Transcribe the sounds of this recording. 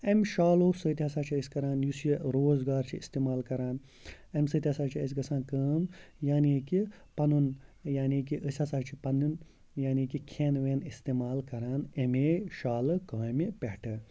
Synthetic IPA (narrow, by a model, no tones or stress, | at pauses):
emʃaːloːsət̪ʲiɦɐsaːt͡ʃʰiəsʲkɐɾaːnjusiɾoːzɡaːɾt͡ʃʰiist̪eːmaːlkɐɾaːn | emsəːt̪ʲiɦɐsaːt͡ʃʰiəs̬ʲɡɐsʰãːnkəːmjaːniki | pɐnunjaːnikiʔəsʲasaːt͡ʃʰipɐnun | jaːnikikʰeːnʋeːnist̪eːmaːlkɐɾaːnemeːʃaːlɨkaːmipeʈʰɨ